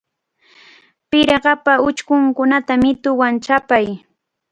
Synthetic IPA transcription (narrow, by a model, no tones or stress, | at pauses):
pɪɾɢɑpaʊt͡ʃkʊŋkʊnat̪amɪt̪ʊwant͡ʃapaj